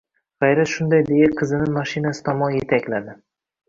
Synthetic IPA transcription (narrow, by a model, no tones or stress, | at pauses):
ʁ̥ɑjɾat̪ʃʊnd̪ajd̪ejaqʰɨzɪnɪmaʃinasɪ̥t̪ʰɒmɒnje̞t̪ʰakʲlad̪ɪ